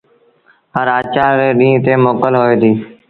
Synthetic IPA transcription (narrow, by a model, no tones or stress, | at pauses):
ɦəɾaːt͡ʃaːɾeːɗĩːt̪eːmoːkəlɦoːeːt̪iː